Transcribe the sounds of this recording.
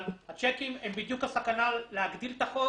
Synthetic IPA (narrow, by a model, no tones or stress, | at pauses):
hat͡ʃekimembid̪jukasakanalːeaɡd̪ilt̪aχo